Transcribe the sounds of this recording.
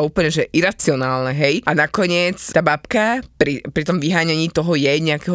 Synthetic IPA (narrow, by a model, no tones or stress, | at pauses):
uːpl̩ɲɛʒɛʔiɾat͡siɔnaːlnɛɦɛjʔanakɔɲɪɛt͡st̪aːbapkapɾipɾit̪ɔmʋiɦaːɲaɲiːt̪ɔɦɔjɛɲɛakɛɦɔ